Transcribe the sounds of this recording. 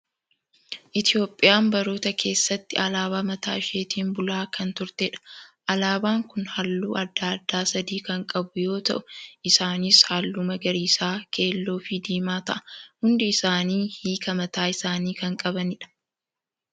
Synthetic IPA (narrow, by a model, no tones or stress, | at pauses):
ʔɪt̪ɪjo̞ːpʼːɪjaːmbɐɾoːt̪ɐkʰe̞ːsːɐt̪ːɪɐlaːbaːmɐt̪aːʃe̞ːt̪iːmbʊlaːkɐnt̪ʊɾt̪eᶑɐ̥ʔɐlaːbaːŋkʊnhɐlːuːɐd̪ːaːɐd̪ːaːsɐd̪iːkɐŋkʼɐbʊjo̞ːt̪ɐ̰ʔʊʔɪsaːnishaːlːʊmɐɡɐɾiːsaːkʰe̞ːlːo̞ːfɪd̪iːmaːt̪ɐʔɐ̥hʊnd̪ɪːsaːniːhiːkɐmɐt̪aːɪsaːniːkɐŋkʼɐbɐnɪᶑɐ̥